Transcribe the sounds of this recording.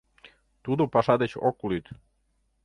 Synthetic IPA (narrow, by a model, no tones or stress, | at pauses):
t̪ud̪opɑʃɑd̪et͡ɕo̰kulit̪